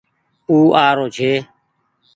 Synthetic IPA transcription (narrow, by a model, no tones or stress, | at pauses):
uːʔaːɾoːd͡ʒʰeː